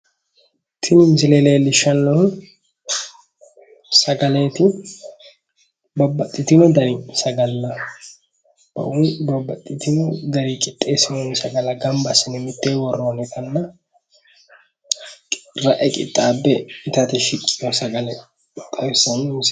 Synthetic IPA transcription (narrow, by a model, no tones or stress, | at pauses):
t̪ʰɪnɪmsɪleleːlɪʃɐnːɔh | sɐɡɐleːt̪ɪ | bɐbːɐt̪ʼːɪt̪ɪnɔd̪ɐɾɪsɐɡɐlːɐ | b̥ɐ̰ʔʊnbɐbːɐt̪ʼːɪt̪ɪnɔd̪ɐɾikʼɪt̪ʼːeːsɪnɔnsɐɡɐlɐɡɐmbɐsɪnɛmɪt̪ːeːwɔrːoːnɛt̪ʰɐnːɐ | ɾɐʔɛkʼɪ̰t̪ʼːaːbːɛɪt̪ɐt̪ɛʃɪkʼːɪjɔsɐɡɐlɛ | t̪ʼɐwɪsɐnɪms